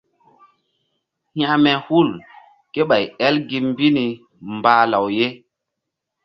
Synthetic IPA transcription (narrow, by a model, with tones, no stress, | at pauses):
hj̃ã˦mɛ˨hu˦˨l | ke˦ɓa˨jɛ˦lɡi˦mm˦bi˦ni˨ | mbaː˨˦la˨wje˦